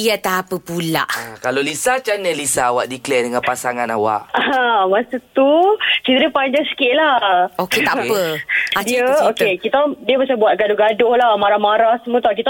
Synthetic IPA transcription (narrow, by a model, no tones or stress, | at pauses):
iat̪aːpəpula̰ʔkalolisat͡ʃanəlisaːwaʔdiklɛdəŋanpasaŋanawa̰ʔamasət̪ut͡ʃit̪əɾipaɲd͡ʒaŋsi̥kiʔ̪̚lahoket̪apəadiəokekit̪adiəbat͡ʃabuat̪̚ɡadoɡadohlamaɾahmaɾahsəmut̪ɔkit̪a